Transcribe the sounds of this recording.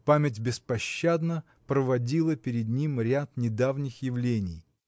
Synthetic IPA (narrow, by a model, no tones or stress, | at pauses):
pamʲɪtʲbʲɪspɐɕːad̪nə | pɾəvɐdʲilˠəpʲɪɾʲɪd̪nʲimɾʲat̪nʲɪd̪avnʲɪxjɪvlʲenʲɪj